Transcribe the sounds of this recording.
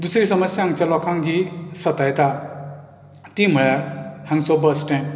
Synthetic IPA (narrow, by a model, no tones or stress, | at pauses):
d̪usɾisʌmʌsjaŋt͡ʃalɔkʰaŋd͡ʒisʌt̪ajt̪a | t̪im̤ʌjaɾhaŋsobəsʈẽn